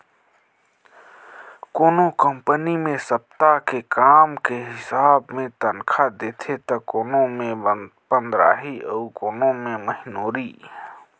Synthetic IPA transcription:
koːnokəmpənimẽsəp̚t̪akekaːmkeɦɪsaːbmẽt̪ənkʰad̪eːt̪ʰet̪ɐkoːnõmẽpə̃nd̪ɾa̰ːɦiɔːkoːnõmẽməɦɪnoːɾi

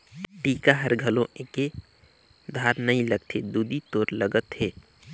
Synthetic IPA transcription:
ʈiːkaɦəɾɡʱəlõʔeke | d̪ʱaːɾnəĩləɡt̪ʰed̪uːd̪it̪oːɾləɡət̪ɦeː

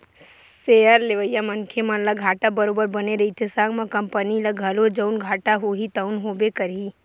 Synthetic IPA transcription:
seəɾleʋəjːamɐnkʰemɐ̃nlaɡʱaːʈabɐɾoːbəɾbɐneɾɐit̪ʰesaːɡmãkɐmpənilɐɡʱɐlod͡ʒənɡʱaːʈaɦoɦit̪əʊnɦoːbekəɾi

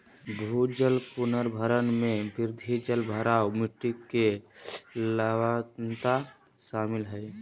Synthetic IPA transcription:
bʱud͡ʒəlpʊnəɾbʱəɾənmẽbɪɾd̪ʱid͡ʒəlbʱəɾaːumiʈːikːe | ləwant̪a | ʃaːmɪlɦəɪ

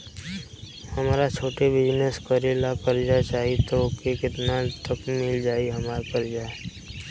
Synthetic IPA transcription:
hɐmaːɾat͡ʃʰoːʈebɪd͡ʒneskəɾelapəɾd͡ʒat͡ʃaːɦiet̪okekɪt̪nat̪əkmɪld͡ʒaːiɦɐmaːɾpəɾd͡ʒaːe

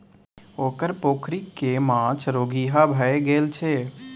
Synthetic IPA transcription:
oːkəɾpoːkʰɾikːemãːt͡ʃʰɾoːɡiːɦabʱəeɡeːlt͡ʃʰeː

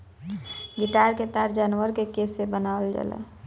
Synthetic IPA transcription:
ɡɪʈaːɾket̪aɾd͡ʒaːnwəɾkekesebənaəld͡ʒa̰lɛ̰

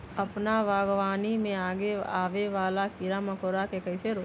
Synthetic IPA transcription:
ɐpnaʋaːɡʋaːnimẽaːɡeaːʋeʋaːlakiɾamɐkoɾakekɐɪseɾoː

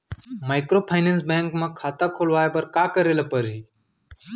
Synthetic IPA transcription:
maːɪkɾoːpʰaːɪnẽːnsbẽːŋkmãkʰaːt̪aːkʰoːlʋaːeːbəɾkaːkəɾeːlapəɾɦiː

